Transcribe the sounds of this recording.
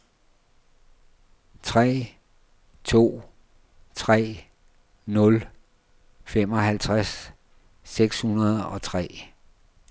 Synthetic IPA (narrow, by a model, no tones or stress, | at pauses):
t͡sʰʁɛ̰ː | t͡sʰo̝̰ː | t͡sʰʁɛ̰ː | nɔ̽l | fem̰ɒ̽ɦælt͡sʰʁasː | eɡ̥shunɐð̞ˠɒ̽t͡sʰʁɛ̰ː